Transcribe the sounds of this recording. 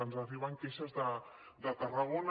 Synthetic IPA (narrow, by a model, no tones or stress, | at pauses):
ənzəriβəŋkeʃəzðə | d̪ət̪ərəɣon